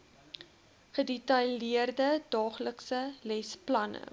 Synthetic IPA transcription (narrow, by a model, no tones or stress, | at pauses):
χədɛtɐliərdədɑːχləksəlɛsplɐnə̰